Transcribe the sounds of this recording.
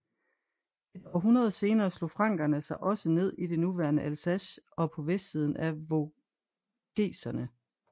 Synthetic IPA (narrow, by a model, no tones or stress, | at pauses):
e̝d̥ɒ̰ːɦunɐð̞ˠse̝ːnɐːslo̝̰fʁɑ̈ŋ̰ɡ̥ɐnəsɑ̈ɪʔɒ̽səne̝ð̞̰ˠid̥e̝nuʋæɐnəʔælsæɕɒ̽pʰɒ̽ʋesd̥siːð̞ˠn̩æʋo̝ | ɡ̥e̝̰ːsɐnə